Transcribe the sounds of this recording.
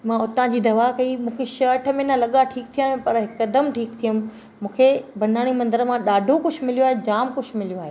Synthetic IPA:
mãʊt̪ãd͡ʑiːd̪ɐʋakɐimũːkʰeʃɐːʈʰə̆mẽnɐlɐɠaʈʰiːk̚t̪ʰijãːpɐɾɦɪkɐd̪əmʈʰiːk̚t̪ʰijəm̃ | mũːkʰebɐn̤aːɽ̃imɐ̃nd̪əɾəmãɗaːɖʱokʊd͡ʑʰmɪlijoaːɦed͡ʑaːmkʊd͡ʑʰmɪlijoaːɦeː

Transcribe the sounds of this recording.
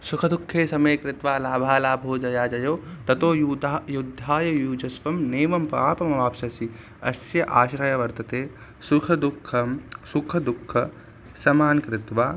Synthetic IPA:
sukʰɐd̪ukʰːeːsɐmɐjkɾɪt̪ʋaːlaːbʱaːlaːbʱɦoːd͡ʒɐjaːd͡ʒɐjoːt̪ɐt̪oːjuajud̪ʱːaːjɐjuːd͡ʒɐsʋɐmneːʋɐmpaːpɐmɐʋaːpʃɐsi | ɐ̰sjɐʔaːʃɾɐjɐʋɐɾt̪ɐt̪eː | sukʰɐd̪ukʰːɐmsukʰɐd̪ukʰːɐ | sɐmaːnkɾɪt̪ʋaː

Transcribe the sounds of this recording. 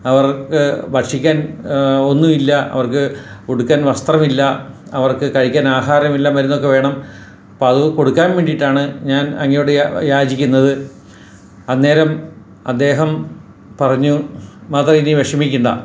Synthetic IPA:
ɐʋɐrkɨbɐrʂikʲːaːno̞nːumilːɐɐ̰ʋɐrkɨkoɽukːaːnʋɐst̪rɐmilːɐɐʋɐrkɨkɐɻikʲːaːnaːɦaːɾɐmilːɐmɐɾunːo̞kːe̞ʋe̞ːɳɐm | poːɐðɨko̞ɽukːaːnʋeːɳɖiʈːaːɳɨɲaːnɐŋːɐjoɽejaːd͡ʑikʲːunːɐðɨ | ɐnːe̞ːɾɐm | ɐ̰d̪ːe̞ːɦɐm | pɐrɐɲːumaːt̪rɐiniʋeʂɐmikʲːuɳɖɐ̰

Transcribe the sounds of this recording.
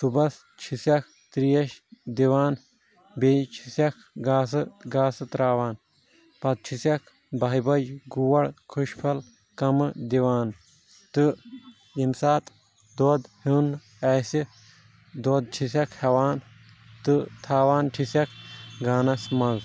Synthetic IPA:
t̪ubɐs | t͡ʃʰisɐk̚ʰ | t̪ɾijɐʃd̪iʋaːn | beːt͡ʃʰisɐkʰ | ɡaːsɨɡaːsɨt̪ɾaːʋaːn | pɐt̪̚t͡ʃʰisɐkʰ | bɐibɐd͡ʒɡuwɐɽkʰuʃpʰɐl | kɐmɨd̪iʋaːn | t̪ɨ | imsaːt̪ | d̪oːd̪hun | ɐːsi | d̪oːd̪̚t͡ʃʰisɐkʰhɐʋaːn | t̪ɨt̪ʰaːʋaːnʈʰisɐkʰɡaːnɐsmɐz

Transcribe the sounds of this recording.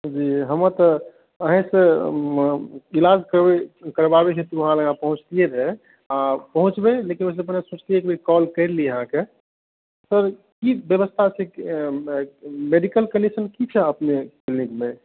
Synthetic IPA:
d͡ʒiːɦəmə̃t̪ə | əɦẽse | ilad͡ʒkəɾbekəɾbabeɦet̪uʋəɦãləɡãpəɦʊ̃t͡ʃt̪ieɾɛ | apəɦʊ̃t͡ʃbelekinʋəseəpnesuːt͡ʃt̪iekbʱikɔlkəɾlijəɦãke | səɾ | kibjəʋəst̪ʰat͡ʃʰe | meɖikəlkənɖisənkit͡ʃʰɛəpneklnikmẽ

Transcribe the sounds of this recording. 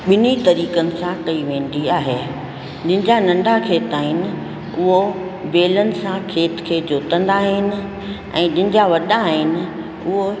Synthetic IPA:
ɓɪnit̪ɐɾiːkənɪ̆sãkɐiʋẽːn̆d̪iaːɦeː | ɗɪ̃ɦɪ̃d͡ʑanɐ̃ɳɖʱakʰeːt̪aːɦɪnɪ̆ | ʊɦobeːlənɪ̆sãkʰeːt̪kʰeːd͡ʑoːt̪ə̃nd̪aːɦɪnɪ̆ | ɛ̰̃ːɗɪ̃nɪ̃̆d͡ʑaʋɐɗãːɦɪnɪ̆ | ʊɦo

